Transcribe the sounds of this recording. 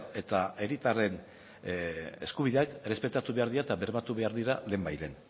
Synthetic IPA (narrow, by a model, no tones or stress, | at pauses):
e̞t̪ae̞ɾit̪are̞n | e̞skuβiðeakre̞spe̞t̪at̪uβe̞aɾðiɾaet̪aβe̞ɾmat̪uβe̞aɾðiɾale̞ːmbajle̞n